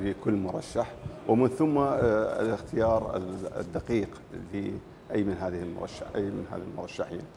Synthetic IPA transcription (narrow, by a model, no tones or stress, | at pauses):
bikʊlːmʊɾˤɑʃːaħwɪmɪnθʊmːa̰lɪxt̪ɪjɑːɾ̰ˤd̪ːaqiːq | fi | ʔajːmɪnɦaːðɪhɪlmʊ̰ɾˤɑ̰ʃːa̰ʔajːmɪ̰nha̰ːðalmʊɾˤɑʃːaħḭːn